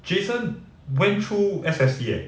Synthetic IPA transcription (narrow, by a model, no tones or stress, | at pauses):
d͡ʒesə̃n | wɛ̃ntʰɹuɛsɛsdiɛ̰